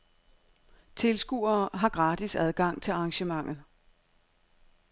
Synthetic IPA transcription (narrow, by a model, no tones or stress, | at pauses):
t͡sʰe̝lsɡ̥ṵːɐːɦɑ̈ɡ̥ʁɑ̈ːd̥isæð̞ˠɡ̥ɑ̈ŋ̰t͡sʰe̝lɑ̈ːŋɕəmɑ̈ŋ̰ð̩ˠ